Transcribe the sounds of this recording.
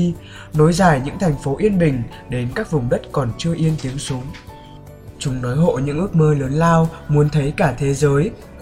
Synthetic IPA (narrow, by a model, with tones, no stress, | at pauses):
no˨˦jzaː˧˩jɲɨ̰˧˥ŋt̪ʰɛ˨˩jŋ̟fo˨˦ʔi˧ənɓï˨˩ŋ̟ | ɗe˨˦nkaː˦˥k̚vʊ˨˩ŋ͡mɗə˦˥t̚kɔ˨˩nt͡ɕɨ˧əʔi˧ənt̪i˨˦əŋsu˨˦əŋ | t͡ɕʊ˨˦ŋ͡mnɔ˨˦jɦo̰˧˨ɲɨ̰˧˥ŋʔɨ˦˥ək̚məː˧ləː˨˦nlaː˧wmu˨˦ənt̪ʰə˨˦jkaː˧˩t̪ʰe˨˦zəː˨˦j